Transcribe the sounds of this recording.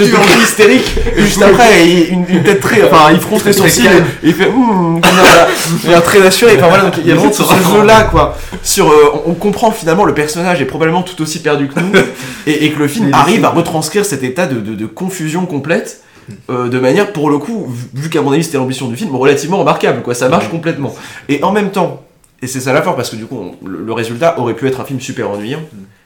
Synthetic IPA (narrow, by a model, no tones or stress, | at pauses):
səɛ̃ist̪eʁikʒyst̪apχɛɛynynt̪ɛt̪ːχɛɑ̃fɛ̃ilfχɔ̃st̪esɔsinilfɛ | aɛ̃t̪χɛzasyʁeɑ̃fɛ̃vwalad̪ɔ̃kjaɛ̃ssəʒølakwa | syʁøɔ̃ʔɔ̃kɔ̃pχɑ̃kfinalmɑ̃ləpɛʁsɔnaʒɛpχɔbabləmɑ̃t̪u̥t̪osipɛʁd̪ykənueːkələfilmaʁivaʁət̪χɑ̃skχiʁsɛt̪et̪ad̪əd̪əd̪əkɔ̃fyzjɔ̃kɔ̃plɛt̪ | ød̪əmanjɛʁpuʁləkuvvykamɔ̃navisɛt̪elɑ̃bisjɔ̃d̪yfilmɛʁəlat̪ivmɑ̃ʁəmaʁkablkwasamaʁʃkɔ̃plɛt̪mɑ̃eʔɑ̃mɛmt̪ɑ̃ | esɛsalafɔʁpaʁsə̥kəd̪ykuɔ̰̃lə̰ləʁezylt̪aʔɔʁɛpyɛt̪χɛ̃filmsypɛʁɑ̃nɥijɑ̃